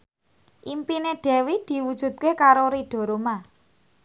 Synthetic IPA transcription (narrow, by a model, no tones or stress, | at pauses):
ʔimpineɖ̥ɛ̤wid̪̥i̤wud̥ʒ̥ṳt̪̚kekaɾoɾiɖ̥ɔ̤ɾoma